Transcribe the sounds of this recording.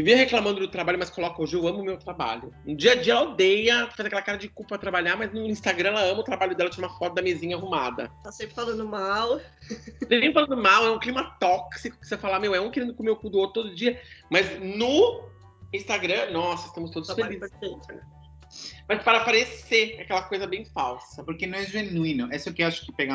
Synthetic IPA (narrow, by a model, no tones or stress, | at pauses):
ɪviheklamɐ̃nd̪ʊʊt̪ɾabaʎʊmɐskolɔkɐoʒɪewɐ̃mʊmewt̪ɾaba̰ʎʊnʊd͡ʒiɐɐd͡ʒiɐɛlɐod̪ejɐfazakɛlɐkaɾɐd͡ʒɪkupɐat̪ɾabaʎamɐznʊĩst̪aɡɾɐ̃ɛlɐɐ̃mɐʊt̪ɾabaʎʊd̪ɛlɐt͡ʃẽnumɐfɔt̪ʊd̪ɐmezĩɲɐaɦuma̰d̪ɐ̰t̪asẽpɾɪ̥falɐ̃nd̪ʊmaw | sẽẽpɾfalɐ̃nd̪ʊmawɛũklimɐt̪ɔksikʊ̥kɪ̥sefalamewɛũkeɾẽnd̪ʊkomeʊkud̪oɾt̪od̪ʊd͡ʒiɐmɐznʊ | ĩst̪aɡɾɐ̃nɔsɐɪst̪ɐ̃mʊst̪od̪ʊsfelizea̰ɡ | mɐspaɾɐapaɾeseɛakɛlɐkojzɐbẽj̃fawsɐpoɾkenɐ̃ɛʒenuĩnʊʔɛsɪʊkɪaʃʊ̥kɪpeɡa